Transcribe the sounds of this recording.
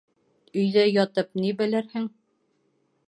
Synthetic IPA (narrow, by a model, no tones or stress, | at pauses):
ɵ̆jðæjɒt̪ɤp̚nibɘ̆lɘɾhɘŋ